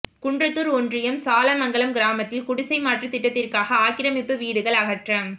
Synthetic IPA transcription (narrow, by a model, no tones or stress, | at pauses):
kʊɳdrɐt̪ːɯɾɔndrɪjɐmsaːlɐmɐŋɡɐɭɐmɡɪɾaːmɐt̪ːɪlkʊɽʊsɐɪmaːʈrɯt̪ɪʈːɐt̪ːɪrkaːɣɐaːkɪɾɐmɪpːɯʋiːɽɯɣɐɭɐɣɐʈrɐm